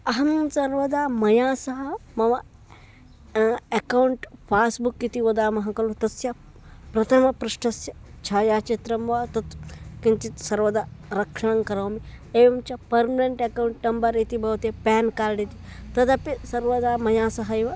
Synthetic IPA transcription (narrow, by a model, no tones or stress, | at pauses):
ɐɦɐmsɐɾʋɐd̪aːmɐjaːsɐɦɐmɐʋɐ | ekɐwɳʈpʰaːsbukːit̪iʋɐd̪aːmɐɦɐ̃kɐlut̪ɐsjɐ | pɾɐt̪ʰɐmɐpɾuʂʈɐsjɐt͡ʃʰaːjaːt͡ʃit̪ɾɐmʋaːt̪ɐt̪kint͡ʃit̪sɐɾʋɐd̪aːɾɐkʂɐɽ̃ɐŋkɐɾɐːmi | eimt͡ʃɐpɐɾmɐneɳʈɐkawɳʈnɐmbɐɾit̪ibɐut̪epɛːnkaːɾɖit̪it̪ɐd̪ɐpisɐɾʋɐd̪aːmɐjaːsɐɦɐjʋɐ